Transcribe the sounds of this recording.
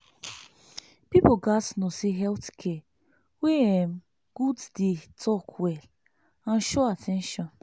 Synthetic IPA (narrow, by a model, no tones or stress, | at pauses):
pipoɡasnoseɦɛltkʰɛ | weɛ̃m | ɡ̥uddetʰɔkʰwɛl | ãnʃɔatʰɛ̃nʃɔ̃n